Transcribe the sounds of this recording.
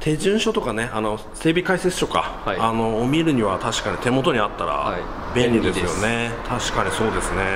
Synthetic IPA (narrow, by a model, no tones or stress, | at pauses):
t̪ʰe̞ʑɨ̃ɰ̃ɕo̞t̪o̞kane̞ʔano̞ | se̞ːbʲikaiset͡sɨ̥t̪o̞ka̰ano̞ːmʲiɾɯ̟ɲ̟iβat̪aɕi̥kaɲ̟it̪e̞mo̞t̪o̞ɲ̟iat̪ːaɾa̰ | bẽ̞nʲɾʲid̪esɨjone̞t̪ʰaɕi̥kaɲ̟iso̞ːd̪e̞sɨne̞